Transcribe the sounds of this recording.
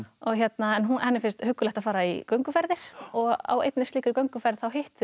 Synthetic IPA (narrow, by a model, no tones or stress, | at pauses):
ɔɣçjɛt̪naɛnɦunanːɪfɪnst̪hʏkːʏlɛht̪afaːɾaḭkœɥŋkʏfɛɾðɪɾ̥ɔɣa̰wḛjt̪nɪsliːkʏɾkœɥŋkʏfɛɾðθawɦɪht̪